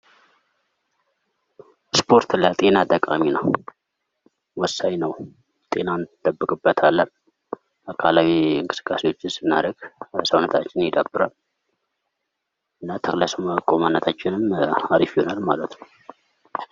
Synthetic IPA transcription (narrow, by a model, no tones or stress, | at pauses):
spʰo̞ɾt̪lət̪ʼe̞nat̪ʼəkʼa̰mina | wɔsːaɲnəw | t̪ʼe̞nand̪̥əbːɨkʼɨbːət̪ʰalːən | akʰalawiɨŋkʼɨ̥sɨ̥kʼːasewo̞t͡ʃːɪnsɨnːa̰ɾəɡ̥səwnət̪ʰat͡ʃːɪnjɪd̪əbːɨɾal | ɨnːat̪ʰəkʼləsoməkʼomanːət̪ʰat͡ʃːɪnɨmaɾifionalma̰lət̪nəw